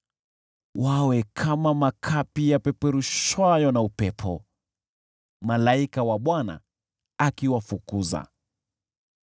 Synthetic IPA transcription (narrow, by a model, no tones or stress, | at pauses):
wawɛkʰamamakʰapijapɛpɛɾuʃwajɔnaupɛpʰɔ̰ | malaikawaɓwana̰ | akiwafukuza̰